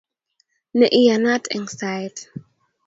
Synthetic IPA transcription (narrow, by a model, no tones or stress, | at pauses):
nɛʔijanatʰɛ̃ŋsajt